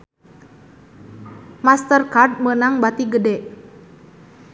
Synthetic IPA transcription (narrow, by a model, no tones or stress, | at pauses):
mast̪ərkard̚mənaŋbat̪iɡədɛʔ